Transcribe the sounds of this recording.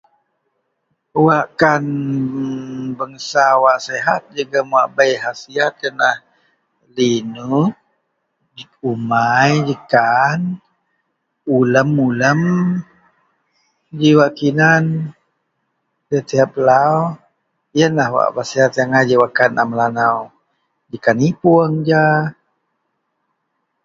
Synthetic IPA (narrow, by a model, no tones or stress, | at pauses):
waʔkan | bəŋəsawaʔseɦat̪̚d͡ʒəɡəmuaʔbajɦasiat̪̚janah | linu | d͡ʒumajd͡ʒikan | uləmuləm | d͡ʒiwakinan | dat̪iɦat̪̚əlaw | jənlahwa̰ʔbasiat̪ijaŋad͡ʒiwakana̰mlanaw | d͡ʒikanipuəŋd͡ʒa